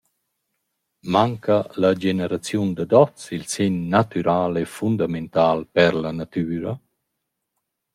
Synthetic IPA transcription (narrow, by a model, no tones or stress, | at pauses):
maŋkalad͡ʒenəɾat͡sjund̪əd̪ɔt͡silsenːat̪yɾʔaːlɛfund̪ament̪aːlpɛɾlanat̪yːɾa